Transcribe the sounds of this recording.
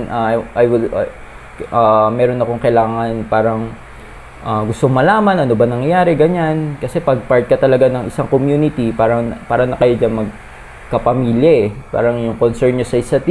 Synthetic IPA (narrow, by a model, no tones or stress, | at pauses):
nʔaʔjwɪl | ʔamɛːɾo̞nɐko̞ŋkɐjlaːŋɐnpaːɾɐŋ | ʔaːɡʊst̪oŋmɐlaːmɐnʔɐno̞bɐnɐŋɐjaːɾɛɡɐɲankɐsɛpɐɡ̚paɹt̪̚kɐt̪ɐlɐɡanɐŋʔɪsaŋkomjuːnɪt̪ipaːɾɐpaːɾɐnɐkɐjod͡ʒanmɐɡ̚ | kɐpɐmiljɐʔɛpa̰ːɾɐŋjʊŋkonsɛɹnɲosɐʔɪsɐt̪